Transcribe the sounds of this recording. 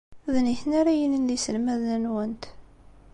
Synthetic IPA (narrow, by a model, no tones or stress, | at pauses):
ðniθnaɾajənənlisəlmæðnənwənt̪